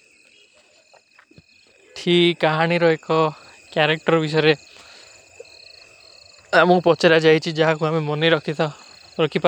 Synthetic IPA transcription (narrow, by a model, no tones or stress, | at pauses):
t̪ʰikaɦaɽ̃iɾɔekɔ | kjaɾek̚ʈɔɾbis̬ɔjɾe | amũpɔt͡ʃeɾad͡ʒajt͡ʃʰid͡ʒaɦakuamemɔneɾɔkʰit̪ɔ | ɾɔkʰipa